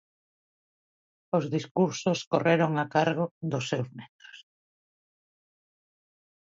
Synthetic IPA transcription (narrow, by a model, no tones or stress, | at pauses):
ozðiskuɾsoskoreɾoŋakaɾɣ̞ʊd̪ʊsːewzmet̪ɾʊ̥s